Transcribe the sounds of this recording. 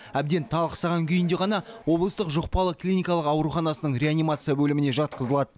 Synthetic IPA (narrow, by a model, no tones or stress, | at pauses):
æbd̪e̞nt̪ʰɑlˠqə̥sɑʁɑŋkʲʰʏjɪnd̪e̞ʁɑnɑwo̞blˠəst̪əqʒoq̚pɑlˠəklʲijnʲijkɑlˠəqɑwɾuχɑnɑsənəɴɾʲeanijmat̪sɨjabɵlɪmɪne̞ʒɑt̪̚qəzəlˠɑd̪ə